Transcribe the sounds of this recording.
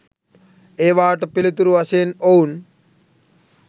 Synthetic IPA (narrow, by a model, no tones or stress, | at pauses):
eːʋaːʈpilit̪uɾuɐseːnown